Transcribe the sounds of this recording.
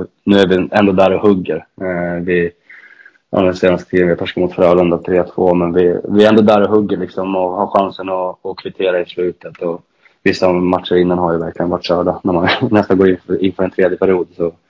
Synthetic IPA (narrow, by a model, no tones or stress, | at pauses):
nʉ̟ːæɾvɪɛnd̪oːd̪æːɾɔhɵɡːəɾvɪ | a̰d̪ɛnseːnast̪ə̥t̪ʰiːðənvɪat̪ʰɔʂkamʊt̪fɾœːlɵnd̪at̪ʰɾeːt̪ʰvoːmɛnvɪvɪɛɾɛnd̪oːd̪æɾɔɦɵɡːəɭɪksɔmɔhaɾɧansənɔːkʰvɪt̪ʰeːɾaɪslʉ̟ːt̪ət̪ɔ | vɪsːamaʈ̪ʂəɾɪnːanɦaɾjəvæɾklɪɡənvaʈːʂœːɖanæɾmanːɛst̪anɡoːɾɪnɪnːfœːɾɛnt̪ʰɾeːd̪jəpʰæɾɪjuːd̪sɔ